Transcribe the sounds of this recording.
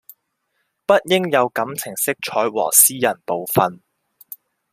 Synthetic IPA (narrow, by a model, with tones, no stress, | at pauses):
pɐ˥t̚jɪ˥ŋjɐ˨˧wkɐ˨˧˥mt͡sʰɪ˨˩ŋsɪ˥k̚t͡ʃʰɔː˨˧˥jwɔ̰ː˨˩siː˥jɐ˨˩npo˨wfɐ˧n